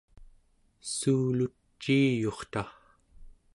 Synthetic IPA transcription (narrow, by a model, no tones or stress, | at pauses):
suːlut͡ʃːiːjo̞χt̪a